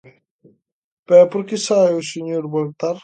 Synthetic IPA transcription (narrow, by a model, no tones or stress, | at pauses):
pɛpoɾkɪsaβeuseɲoɾβolt̪aɾ